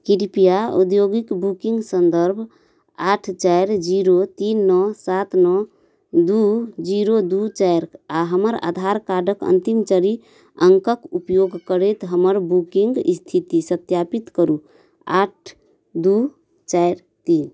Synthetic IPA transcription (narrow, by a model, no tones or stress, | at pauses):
kiɾipijaṵd̪joɡikbukiŋɡsənd̪əɾbʱ | aʈʰt͡ʃajɾd͡ʒiɾot̪inːɔsat̪nɔ | d̪ud͡ʒiɾod̪ut͡ʃajɾaɦəməɾa̰d̪ʱaɾkaɖəkə̰nt̪imt͡ʃəɾi | əŋkəkupjoɡkəɾet̪ɦəməɾbukiŋɡst̪ʰit̪isət̪japit̪kəɾu | a̰ʈʰ | d̪u | t͡ʃajɾ | t̪in